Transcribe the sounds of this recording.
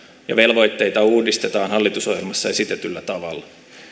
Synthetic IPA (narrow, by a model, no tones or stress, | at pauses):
jɑ̰ʋe̞lʋo̞jt̪ːe̞jt̪ɑuːdist̪e̞t̪ɑːnhɑlːit̪uso̞hjelmɑsːɑesit̪et̪ylːæt̪ɑʋɑlːɑ